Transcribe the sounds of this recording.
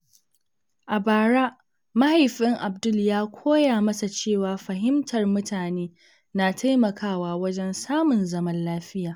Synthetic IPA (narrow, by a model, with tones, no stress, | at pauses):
ʔa˨baː˨ɽaː˦ | mɐ˦ha˨jɸɪ˦ŋʔa˨bdʊ˦ljaː˦kʷʰoː˦jaː˨mɐ˦sa˨t͡ʃeː˦˨waː˨ɸɐ˨ɦɪ˦mtʰɐ˨rmʊ˦tʰaː˨neː˦ | na˨tʰa˦jmɐ˨kʰaː˦˨waː˦wɐ˦d͡ʒɛ˦nsaː˦mʊ˨nzɐ˦mɐ˦nlaː˦ɸɪ˦jaː˨